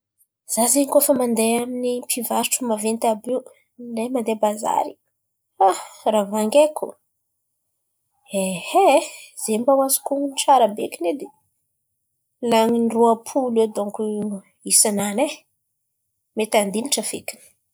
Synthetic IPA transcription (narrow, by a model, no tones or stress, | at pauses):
z̥azeɲikofəmand̪eaminimpʰivaɾʈ͡ʂumavent̪abiw | lejmand̪ebaza̰ɾi̥ | aravaŋɡekʰṵ | ehez̥embawazi̥kunʈ͡ʂaɾabekined̪e | laŋinruapʰuled̪oŋku | isanane | met̪and̪iniʈ͡ʂəfekini̥